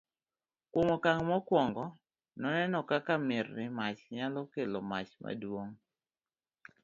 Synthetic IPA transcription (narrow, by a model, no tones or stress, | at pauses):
kwomokaŋmɔkwɔŋɡɔ | nɔnɛnɔkakamɪrːɪmat͡ʃɲalɔkeloma̰t͡ʃma̰dwoŋ